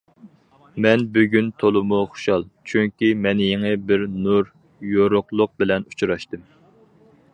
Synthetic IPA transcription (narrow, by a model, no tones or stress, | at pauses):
mɛnbyɡʲynt̪ʰolˠɨmuχʊ̥ʃɑlˠt͡ʃʰyŋkʲimɛnɪjeŋɨbɪɾnuɾ | joɾʊqlˠʊq̚bɪlɛnu̥t͡ʃɾɑʃt̪ɨm